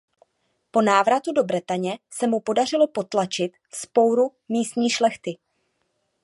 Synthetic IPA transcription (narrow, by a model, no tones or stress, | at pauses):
po̞naːvɾat̪udo̞bɾɛt̪aɲɛsɛmupo̞dar̝ɪlo̞po̞t̪lat͡ʃɪt̪fspo̞wɾumiːst̪ɲiːʃlɛxt̪ɪ